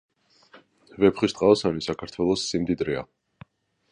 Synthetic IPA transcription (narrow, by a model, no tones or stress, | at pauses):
vɛpχist̪ʼqʼaɔsanisakʰaɾt̪ʰwɛlˠɔsːimd̪id̪ɾɛa̰